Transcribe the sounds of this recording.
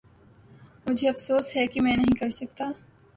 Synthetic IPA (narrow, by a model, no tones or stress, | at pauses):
mʊd͡ʒʱeɐfsoːsɦɛkimɛ̃ːnɐɦĩkɐɾsɐk̚t̪aː